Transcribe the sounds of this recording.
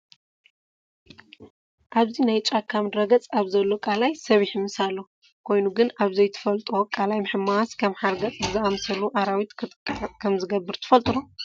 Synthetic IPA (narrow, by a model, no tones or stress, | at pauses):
ʔaβzinajt͡ʃʼakʰːamd̪ɾɐɡɐt͡sʼaβzɐlːokʼalajsɐβiħimɨsalːo | kʰo̞jnuɡɨnaβzɐjt̪ʰɨ̥fɐlt̪ʼokʼalajmɨħɨmːaskʰɐmħaɾɡɐt͡sʼɨzɨʔamsɐlːuʔaɾawit̪k̪ʼkʼkʰɐmzɨɡɐbːɨɾt̪ʰɨ̥fɐlt̪ʼɨɾo